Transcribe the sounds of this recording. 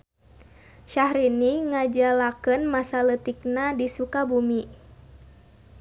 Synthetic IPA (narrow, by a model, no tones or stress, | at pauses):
ʃahɾiniŋad͡ʒalakənmasalət̪ik̚nadisukabumi